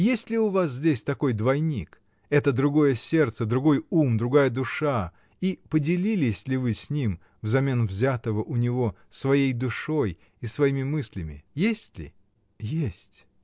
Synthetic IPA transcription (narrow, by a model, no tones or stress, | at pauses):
jesʲtʲlʲɪʊvas̬zʲdʲesʲt̪ɐko̞jd̪vɐjnʲik | ɛt̪əd̪ɾʊɡo̞jəsʲe̞rt̪səd̪ɾʊɡo̞jumd̪ɾʊɡajəd̪ʊʂa | ipədʲɪlʲilʲɪsʲlʲɪvɨsʲnʲim | vzɐmʲe̞nvzʲat̪əvəʔʊnʲɪvo̞ | svɐjejd̪ʊʂo̞j | isvɐjimʲɪmɨsʲlʲɪmʲɪ̰jesʲtʲlʲɪ̰ | jesʲtʲ